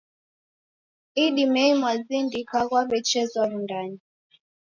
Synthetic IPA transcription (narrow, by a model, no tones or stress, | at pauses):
iɗimɛimwazindikaɣwaβɛt͡ʃɛzwamundani